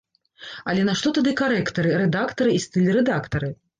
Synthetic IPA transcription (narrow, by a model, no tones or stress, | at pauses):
ɐlʲɛnaʂt̪ɔt̪ad̪ɨkaɾɛkt̪ɐɾɨɾɛd̪akt̪ɐɾɨist̪ɨlʲrɛd̪akt̪ɐɾɨ